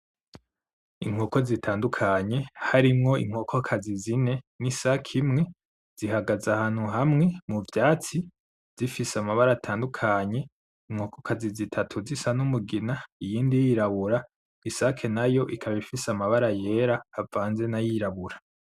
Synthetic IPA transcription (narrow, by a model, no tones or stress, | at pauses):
ḭŋ̥oːko̞zitʰaːndukʰaɲe̞haɾimŋo̞ḭŋ̥hoːkʰo̞kʰazizine̞nisakʰimŋe̞ | z̥ihaɡazahaːn̥huɦamŋe̞muvjaːt͡si | z̥ifisamaβaɾatʰaːndukʰaɲe̞ | iŋ̥hoːkokʰazizitʰatʰuzisanumuɡinaijiːndijiɾaβuɾa | isakʰe̞najo̞ʔikʰaβifisamaβaɾaje̞ɾaːvaːnze̞najiɾaβuɾa